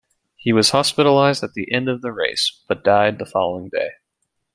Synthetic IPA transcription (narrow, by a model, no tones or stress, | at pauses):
hiwʌz̥hɑspɪɾl̩aɪzdɨt̪̚ðiʔɛ̃ndʌvðɨɹḛɪsb̥ʌt̚d̥aɪd̪̚ðəfɑ̰lˠoʊɪ̃ŋdḛɪ